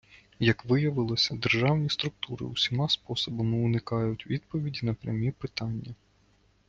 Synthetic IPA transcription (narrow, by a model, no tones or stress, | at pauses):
jɐkʋɪjɐʋɪlˠɔsʲɐd̪erʒɑwnʲist̪ɾʊk̚t̪uɾɪ̰usʲimɑspɔsɔbɐmɪʊnɪkɑjʊtʲʋʲid̪pɔʋʲidʲinɐpɾʲɐ̰mʲipɪt̪ɑnʲːɐ